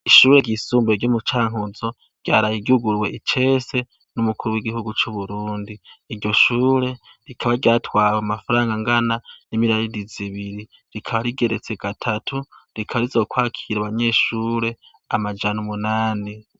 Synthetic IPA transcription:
iʃuːɾe̞ɾɟisuːmbeɾɟomut͡ʃaːŋ̥uzo̞ | ɾ̥ɟaːɾajiɟuɡuɾwe̞ʔit͡ʃe̞se̞ | numukuɾuwiɡihuɡut͡ʃuβuɾuːndiːɾɟo̞ʃuːɾe̞ | ɾikʰaβaɾɟaːtwaːwamafaɾaːŋɡaŋɡananimiɾaɾiɾiziβiɾi | ɾikʰaβaɾiɡe̞ɾet͡se̞ɡ̥atʰatʰuɾikʰaβaɾizo̞kwaːkʰiɾaβaɲe̞ʃuɾe̞ | amad͡ʒanumunaːni

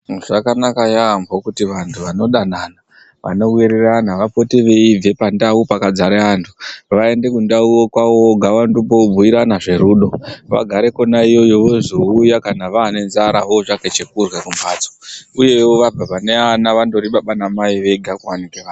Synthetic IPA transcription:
ʐakanakajambokutiʋantʰuʋano̞ɗanana | ʋa̰no̞wiɾiranaʋapo̞teʋe̞ib͡ve̞pandaupakad͡zaɾeantʰu̥ʋae̞nde̞kundauwokwawoɡʱaʋandupoub͡vuiɾanaʐe̞ɾuːɗo̞ʋa̰ɡʱaɾe̞ko̞naijo̞jo̞ʋo̞zoujakanaʋaːne̞nzaɾaɦo̞ʐaket͡ʃe̞kurwakumbʱad͡zouje̞oʋabʱaʋane̞anaʋando̞ɾiɓaɓanamaiʋe̞ɡʱakuwanikeʋaːn

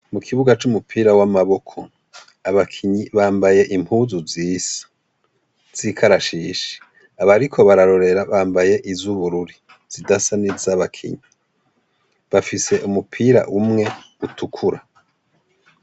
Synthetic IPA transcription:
mukʰiβuɡat͡ʃumupʰiːɾawamaβo̞kʰo̞ | aβakʰiɲiβaːmbaje̞ʔimhuːzuziːsḁ | z̥ikʰaɾaʃiːʃe̥ | aβaɾikʰo̞βaɾaɾo̞ɾe̞ɾaβaːmbaje̞ʔizuβuɾuɾi | z̥idasanizaβakʰḭɲi | βafise̞ʔumupʰiːɾa̰ʔumŋe̞utʰukʰuɾa

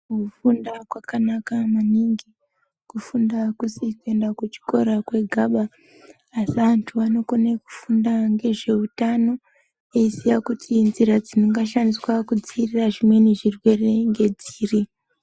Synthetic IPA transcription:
kufundakwakanakamaniŋɡi | kufundakusikue̞ndakut͡ʃi̥ko̞ɾakwe̞ɡʱaɓaː | siʋantʰuʋano̞koneku̥fundaŋɡe̞ʐe̞utano̞ | eisijakutʰinziɾad͡zinoŋɡaʃaniswakud͡ziːriraʐimwe̞neʐirwe̞re̞ŋɡe̞d͡ziːri

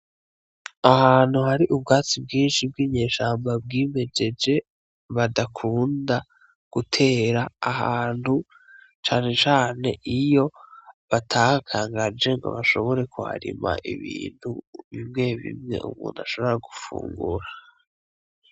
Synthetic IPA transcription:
ahaːn̥huhaɾiʔub̚ɡaːt͡sib̚ɡiːnʃibɡiːɲe̞ːʃaːmbab̚ɡiːme̞d͡ʒe̞d͡ʒe̞ | βadakʰuːnda | ɡ̥utʰe̞ːɾaːhaːnhu | t͡ʃaːne̞t͡ʃaːne̞̰ʔijo̞βatʰaːhakʰaːŋɡad͡ʒe̞ŋɡo̞̰βaʃo̞βo̞ɾe̞kuha̰ɾḭma̰ʔiβḭːn̥huβimŋe̞βḭmŋe̞̰ʔṵmṵːnaʃo̞βo̞ɾaɡufṵːŋɡṵɾa

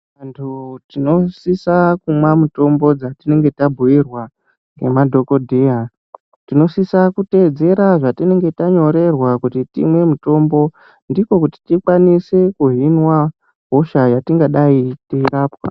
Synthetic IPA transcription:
antʰutino̞sisakumwamuto̞mbo̞d͡zatine̞ŋɡe̞tabʱuirwa | ŋɡe̞madʱo̞ko̞dʱeɦa | tino̞sisakute̞ːd͡ze̞ɾaʐatine̞ŋɡe̞taɲo̞ɾe̞rwakutitḭmwe̞muto̞mbo̞ | ndiko̞kuti̥tikwanisekuɦinwa | ɦoʃajatiŋɡaɗaiteiɾaːpwa̰

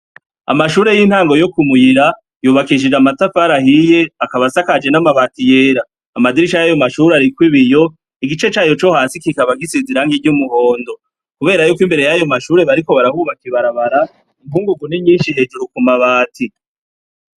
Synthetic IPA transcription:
a̰maʃuːɾe̞jiːn̥haːŋɡo̞jo̞kumujiɾa | juːβakiʃ̬id͡ʒamatafaɾaɦije̞akaβasakad͡ʒe̞namaβaːtije̞ːɾaː | madiɾiʃajajo̞maʃuːɾeaɾikwiβijo̞ | iɡit͡ʃe̞t͡ʃaːjo̞t͡ʃo̞hasikikaβaɡisiziɾaŋɡiɟumuho̞ːndo̞ | kuβe̞ːɾajuːkwimbe̞ɾe̞jajo̞maʃuːɾe̞βaɾiko̞βaɾahuːβakiβaɾaβaɾa | imvuːŋɡuɡuniɲiːnʃiɦe̞ːd͡ʒuɾukumaβaːtʰi

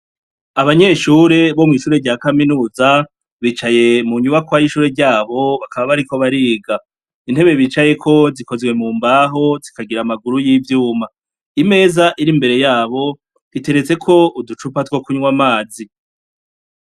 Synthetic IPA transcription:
aβaɲe̞ːʃuɾe̞βo̞mŋiʃuːɾeɾɟaːkaminuːza | βiːt͡ʃaje̞muɲuβakwajiʃuːɾe̞ɾɟaːβo̞βakaβaβaɾiko̞βaɾiːɡa | in̥he̞βe̞βiːt͡ʃaje̞kʰo̞ziko̞zɡwe̞muːmbaːɦo̞zikaɡiɾamaɡuɾujivjuːma | ime̞ːzaʔiɾimbe̞ɾe̞jaːβo̞ | hite̞ɾet͡se̞kʰo̞ʔudut͡ʃupatwo̞kuɲwamaːzi

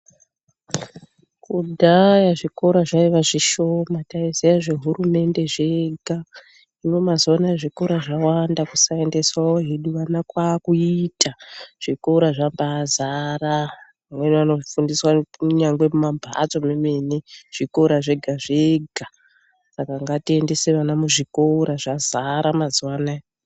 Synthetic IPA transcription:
kudʱajaʐiko̞ɾaʐaiʋaʐiʃo̞mataizejaʐe̞ɦurume̞nde̞ʐe̞ɡʱa | ino̞mazonaʐikoɾaʐawandakusae̞nde̞swaoɦeɗuʋanakwakuitaʐ̥ikouɾaʐambazaɾa | amweniʋano̞fundiswaɲaŋɡwe̞mumambʱa̰t͡so̞memeneʐ̥ikoɾaʐe̞ɡʱaʐeɡʱa | sakaŋɡatie̞nde̞seʋanamuʐikoɾaʐazaɾamazwana

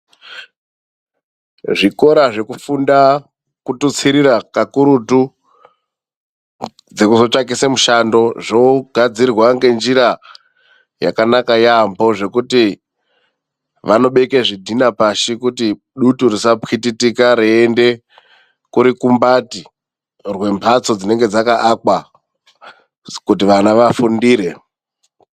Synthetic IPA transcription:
ʐiko̞ɾaʐe̞kufunda | kutut͡siɾiɾakakuɾutu | d͡ze̞kuzo̞t͡ʂakisemuʃando̞ʐoɡʱad͡zirwaŋɡe̞nd͡ʒiɾa | ja̰kanakajambo̞ʐe̞kuti | ʋano̞ɓe̞keʐidʱinapaʃikuti | ɗuturisapxititikaɾeːnde̞ | kuɾikumbati | rwe̞mpʰat͡so̞d͡zine̞ŋɡe̞d͡zakaʔakwa | kutiʋanaʋafundiːɾe̞

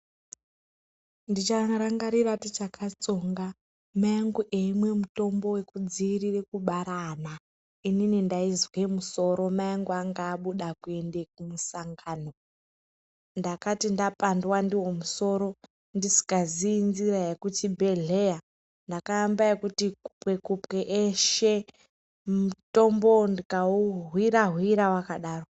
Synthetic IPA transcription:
ndit͡ʃaraŋɡaɾiɾatit͡ʃakʰat͡so̞ŋɡa | majaŋɡuʔeimwe̞muto̞mbo̞we̞kud͡ziːrirekuɓaɾana | ininindaizwemuso̞ɾo̞majaŋɡuaŋɡaːɓuɗakue̞nde̞kumusaŋɡaːno̞ | ndakatindapandwandiwo̞muso̞ɾo̞ | ndisi̥kaziːnziɾajekutibʱe̞ɮe̞ja | ndakaːmbajekutikupwe̞kupweʔeʃe̞ | muto̞mbo̞ndikauɦwiɾaɦwiɾawakaɗaːro

